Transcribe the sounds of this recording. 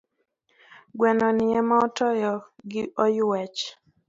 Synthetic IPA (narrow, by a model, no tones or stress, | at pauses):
ɡwɛnɔnɪɛmaɔtɔjɔɡɪʔɔjʊwɛt͡ʃ